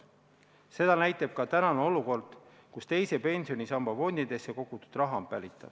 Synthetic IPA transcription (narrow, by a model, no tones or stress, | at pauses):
se̞d̪̥ɑnæjt̪ˑɑb̥̚kɑt̪ænɑneo̞luko̞rd̪̥ | kust̪e̞jse̞pe̞nʲsio̞nʲisɑmbɑvo̞nʲd̪id̪̥e̞sːeko̞ɡut̪ud̪̥rɑɦɑmpːælʲit̪ːˑɑ̰b̥